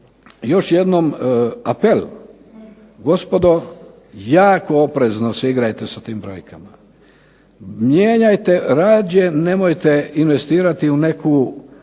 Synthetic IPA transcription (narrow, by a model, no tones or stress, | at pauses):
jo̞ʃje̞d̪nomapel | ɡo̞spo̞d̪o̞ | jaːko̞opɾe̞znoseiɡɾajt̪esat̪iːmbɾo̞̰jkʰama | mjeːɲajt̪e̞ɾaːd͡ʒjene̞mojt̪e̞inʋe̞st̪iːɾat̪iune̞kʰu